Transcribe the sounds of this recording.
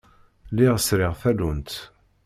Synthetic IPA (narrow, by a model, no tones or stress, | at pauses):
liʁəsɾɪʁfælunt̪